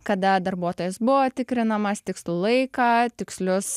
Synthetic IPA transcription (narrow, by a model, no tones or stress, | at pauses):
kɐd̪ɐd̪ɐɾbuɔt̪oːjɛsbʊʋoːt̪ʲɪkɾʲɪnɐmɐst̪ʲɪkslˠulˠɐɪkɑːt̪ʲɪkslʲʊs